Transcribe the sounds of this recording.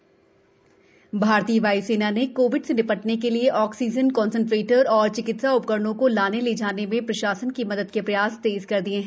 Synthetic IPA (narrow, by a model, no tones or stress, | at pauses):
bʱaːɾt̪iːʋaːuseːnanekoːʋɪɖsenɪpəʈnekelieʔɔːksiːd͡ʒənkɔ̃ːnsə̃ɳʈɾeːʈəɾɔːɾt͡ʃɪkɪt̪saʊp̚kəɾɳõkolaːneled͡ʒaːnemẽpɾɐʃaːsənkimɐd̪əd̪kepɾɐjaːst̪eːzkɐɾd̪iẽɦɛ̃